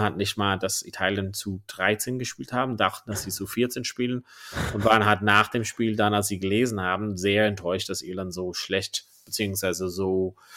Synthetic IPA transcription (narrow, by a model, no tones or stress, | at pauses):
hatnɪçtmaːldasḭtʰaːljənt͡sud̥ʁaɪt͡seːnɡəʃpiːlthaːbm̩daχtn̩d̥asz̥iːt͡sufɪɐt͡seːnʃpiːlənʔʊntv̥aːʁənɦaltnaːχd̥eːmʃpiːldanals̬z̥iːɡəleːzn̩haːbm̩zeːɐɛntʰɔʏʃtd̥asḭːlanzoːʃlɛçt | b̥ət͡siːʊŋsv̥aɪzəzoː